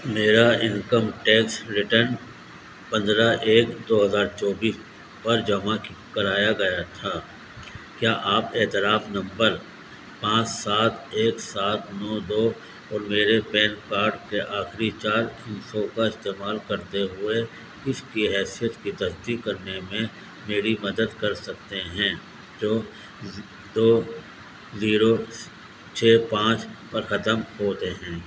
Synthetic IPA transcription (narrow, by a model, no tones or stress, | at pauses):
meːɾaɪ̃nkəmʈɛːksɾɪʈəɾn | pɐ̃nd̪ɾaʔeːkd̪oːɦɐzaːɾt͡ʃɔːbiːs | pɐɾd͡ʒɐmãkɐɾaːjaɡɐjat̪ʰaː | kjaːʔaːpeːt̪ɪɾaːfnɐ̃mbəɾ | pãːt͡ʃsaːt̪ʰeːksaːt̪ʰnɔːd̪oː | ɔːɾmeːɾepɛːnkaːɾɖkeʔaːxɾit͡ʃaːɾɪ̃nsokaɪst̪eːmaːlkɐɾt̪eɦʊe | ɪskiɦɛːsijət̪kit̪ɐsd̪ikːɐɾnemẽ | meːɾimɐd̪əd̪kɐɾsɐk̚t̪eɦɛ̃ː | d͡ʒoː | d̪oː | ziːɾo | t͡ʃʰeːpãːt͡ʃpɐɾxɐt̪əmɦoːt̪eɦɛ̃ː